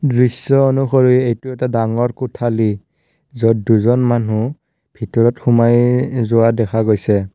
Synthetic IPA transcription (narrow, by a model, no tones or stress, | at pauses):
dɹisːɔonuxɔɹuɛejtʊɛtadaŋɔɹkʊtʰali | zɔdduzɔnmanu | bʱitɔɹɔtxʊmajzʊwadɛkʰaɡojsɛ